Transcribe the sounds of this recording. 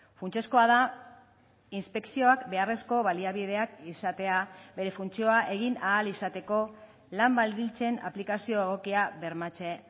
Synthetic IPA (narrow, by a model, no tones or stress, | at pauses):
funt͡se̞sko̞aða | inspe̞ksio̞akbe̞are̞sko̞βaliaβiðe̞akisat̪e̞abe̞ɾe̞funt͡sio̞aʔe̞ɣ̞inaːlisat̪e̞ko̞ | lambald̪ilt͡se̞na̰plikasio̞e̞ɣ̞o̞kiaβe̞ɾmat͡se̞